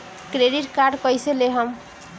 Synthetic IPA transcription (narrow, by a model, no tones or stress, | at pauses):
kɾeɖiʈkaɾɖkʌjseleɦəm